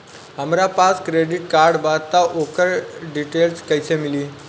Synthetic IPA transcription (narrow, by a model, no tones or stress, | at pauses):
ɦəmɾapaskɾeɖiʈkaɾɖbat̪ːaʔokəɾɖiʈelskəjsemiliː